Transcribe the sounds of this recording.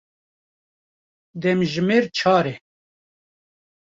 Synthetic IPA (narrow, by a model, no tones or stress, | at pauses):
d̪ɛmʒɪmeːɾt͡ʃʰɑːɾɛ